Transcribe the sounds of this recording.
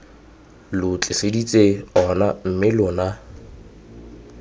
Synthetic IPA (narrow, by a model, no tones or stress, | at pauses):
lʊt͡ɬʼɪsedit͡sʼeɔnam̩mɪlʊna